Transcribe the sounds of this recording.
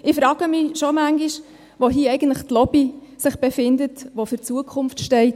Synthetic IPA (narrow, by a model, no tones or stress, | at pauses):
ɪfɾɑːɡ̥əmɪʃɔmæŋɡiʃ | ʋoɦiːɛɪɡən̩tləχtlɔb̥isɪχb̥efɪndətʋofʏɾt͡suəkʰʊnftʃtɛɪt